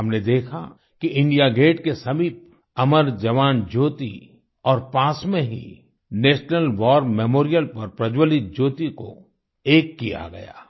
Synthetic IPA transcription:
ɦɐmned̪eːkʰa̰ | kiʔɪ̃ɳɖijaɡeːʈkesɐmiːp̚ | ɐməɾd͡ʒɐʋaːnd͡ʒoːt̪i | ɔːɾpãːsmẽɦḭ | neːʃnəlʋɔːɾmɛːmoːɾijəlpɐɾpɾɐd͡ʒwəlit̪̚d͡ʒoːt̪iko̰ | eːkːija̰ɡɐ̰ja̰ː

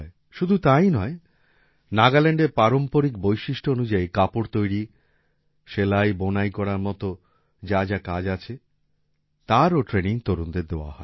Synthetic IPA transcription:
e | ʃud̪ʱut̪ajnɔe | naɡaleɳɖeɾpaɾompoɾik̚bojʃiʃʈʰoonud͡ʑaikapoɾt̪ojɾi | ʃelajbonajkɔɾaɾmɔt̪o | d͡ʑad͡ʑakad͡ʑat͡ɕʰe | t̪aɾoʈɾeniŋt̪oɾund̪eɾd̪eoa̰ɦɔe

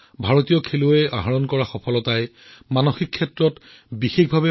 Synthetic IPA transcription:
bʱaɹotijɔkʰelʊɛaɦaɹɔnkɔɹaxɔpʰɔlɔtaj | manɔxikʰːɛtɹɔt | bixexbʱabɛ

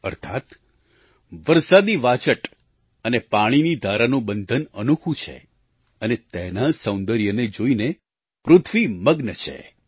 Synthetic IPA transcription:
ə̰ɾt̪ʰat̪ | ʋəɾsad̪iʋat͡ʃəʈ | ənepaɽ̃inid̪ʱaɾanũbənd̪ʱənənukʰũt͡ʃʰḛ | ənet̪ɛnasəw̃nd̪əɾjəned͡ʒoine | pɾʊt̪ʰʋiməɡnət͡ʃʰḛ

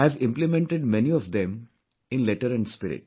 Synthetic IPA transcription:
æʋɪ̃mplɪmẽɳʈeɖ̚meniɔfd̪ẽm | ɪ̃nlɛʈəɾɛ̃ɳɖspɪɾɪ̰ʈ̚

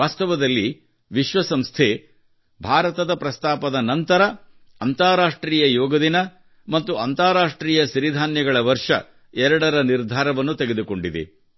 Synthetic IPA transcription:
aːst̪ɐʋɐd̪ɐlːi | ʋiʃʋɐsɐmst̪ʰeː | bʱaːɾɐt̪ɐd̪ɐpɾɐst̪aːpɐd̪ɐnɐnt̪ɐɾɐ | ɐnt̪aːɾaːʂʈɾiːjɐjɔːɡɐd̪inɐ | mɐt̪ːuɐnt̪aːɾaːʂʈɾiːjɐʃiɾid̪ʱaːnjɐɡɐɭɐʋɐɾʂɐ̰ | ɛɾɐɽɐɾɐniɾd̪ʱaːɾɐʋɐnːut̪eɡe̞d̪uko̞ɳɖid̪ḛ

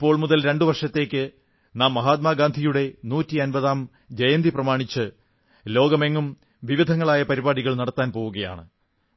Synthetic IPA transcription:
pːo̞ːɭmuðɐlɾe̞ɳɖɨʋɐrʂɐt̪ːe̞ːkʲːɨ | naːmːɐɦaːt̪̚maːɡaːnd̪ʱijuɽe̞nuːtːiɐnbɐðaːm | d͡ʑɐjɐnd̪ʱiprɐmaːɳit͡ɕːɨ | lo̞ːɡɐme̞ŋːum | ʋiʋid̪ʱɐŋːɐɭaːjɐpɐɾibaːɽiɣɐɭnɐɽɐt̪ːaːnpo̞ːɣuɣɐja̰ːɳɨ

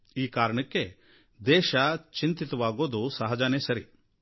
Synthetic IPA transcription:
iːkaːɾɐɳɐkːe̞ | d̪ɛːʃɐt͡ʃint̪it̪ɐʋaːɡoːd̪usɐɦɐd͡ʒaːneːsɐɾi

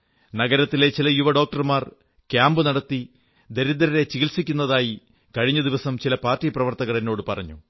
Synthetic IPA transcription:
nɐɡɐɾɐt̪ːile̞t͡ɕilɐjuʋɐɖo̞ːk̚ʈɐrmaːr | kjaːmbɨnɐɽɐt̪ːi | d̪eɾid̪ɐɾɐɾe̞t͡ɕiɣilsikʲːunːɐðaːji | kɐɻiɲːɐd̪iʋɐsɐmt͡ɕilɐpaːrtːiːprɐʋɐrt̪ɐɣɐɭino̞ːɽɨpɐrɐɲːu

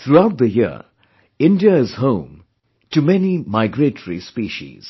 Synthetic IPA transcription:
t̪ɹuaʊt̪̚dðəjɪə̰ | ɪ̃ndiəɪz̥hõʊ̃m | tɨmɛnimaɪɡɾetəɹḭspiːʃḭz̥

